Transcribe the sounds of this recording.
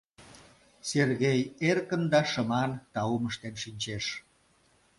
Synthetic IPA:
serɣejerkənd̪ɑʃəmɑnt̪ɑuməʃt̪enʃinʲt͡ɕeʃ

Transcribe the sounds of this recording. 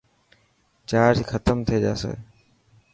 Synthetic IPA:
t͡ʃaːd͡ʒxʰət̪əmt̪ʰieːd͡ʒa̰ːsḛː

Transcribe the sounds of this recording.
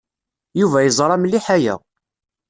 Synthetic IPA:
juvæjəzˤɾˤɑmlːiħæjæ̰

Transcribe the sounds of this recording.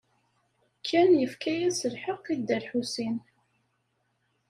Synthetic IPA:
kʰːænjəfkæjæsəlħəqːid̪ːəɾħusin

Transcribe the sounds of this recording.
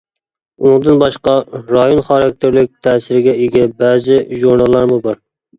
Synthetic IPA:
unɨŋd̪ɨnbɑʃqɑɾɑjonχɑɾɑk̚ʲt̪ʰɪɾlɪk̚ʲt̪ʰɛːsɪɾɪɡʲɛiɡʲɛbɛːzɪʒuɾnɑlˠːɑɾmubɑɾ

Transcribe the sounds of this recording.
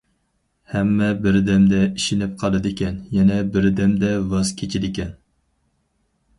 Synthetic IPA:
hɛmːɛbɪɾd̪ɛmd̪ɛiʃinɪp̚qʰɑlˠɨd̪ɪkʲɛnjɛnɛbɪɾd̪ɛmd̪ɛvɑz̥kʲʰet͡ʃʰid̪ɪkʲɛn

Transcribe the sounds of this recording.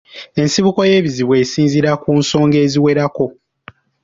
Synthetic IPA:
e̞nsiβuko̞je̞ːβiziβwe̞ːsiːnziɾakunso̞ːŋɡe̞ːziwe̞ɾako̞

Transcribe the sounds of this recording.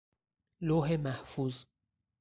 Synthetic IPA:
loːɦemæhfuːz

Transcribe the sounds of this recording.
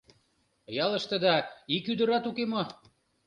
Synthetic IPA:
jɑlə̆ʃt̪ə̆d̪ɑikyd̪ə̆ɾɑt̪ukemo

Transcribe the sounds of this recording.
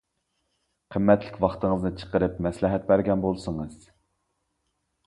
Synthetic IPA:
qʰəmːɛt̪lɪkʲwɑχt̪ɨŋɨznɨt͡ʃʰə̥qəɾɨpmɛslɪɦɛt̪̚bæɾɡʲɛnbolˠsəŋɨz̥

